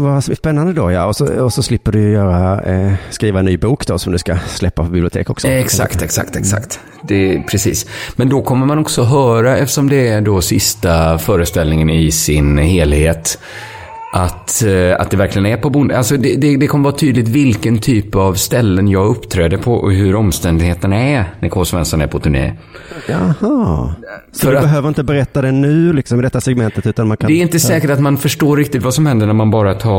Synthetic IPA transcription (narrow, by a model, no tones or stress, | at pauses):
vaspɛnːand̪əd̪ɔjɑ̰ɔsɔ̰ɔsɔslɪpːəɖɵjœːɾaskɾiːvaɛnːyːbuːkd̪ɔsɔmd̪ɵskaslɛpːapʰbɪblɪʊt̪ʰḛːkɔksɔɛksa̰kt̪ɛksa̰kt̪ɛksa̰kt̪ | d̪ɛpʰɾɛsḭːsmɛnd̪ɔkʰɔmːəɾmanɔksɔɦœːɾaɛft̪ə̥ʂɔmd̪ɛæɖɔsɪst̪afœːɾəst̪ɛlnɪŋənɪsɪnheːlheːt̪ | ʔat̪a̰t̪̚d̪ɛvæɾklɪɡənæɾpʰɔbʊnd̪əalsɔd̪ɛd̪ɛd̪ɛkʰɔməvɑːt̪ʰyːd̪lɪt̪vɪlkənt̪ʰyːpːavst̪ɛlːənjɑːɡɵpːt̪ʰɾɛːd̪əpʰɔɦɵɾɔmst̪ɛnd̪ɪɡheːt̪ənæɾnæɾkʰoːsvɛ̰nskanæ̰ɾpʰɔt̪ʰɵɳḛː | jahɑːsfɔdœɾabɛɦøːvəɾɪnt̪əbɛɾɛt̪ːad̪ɛnʉ̟ːlɪksɔmɪd̪ɛt̪ːasɛɡmɛnt̪ət̪ʉ̟ːt̪anmankʰand̪ɛɾɪnt̪əsɛːkəʈat̪manfœʂʈoːɾːɪkt̪ɪt̪vasɔmhɛnd̪əɳæɾmanbɑːɾat̪ʰɑː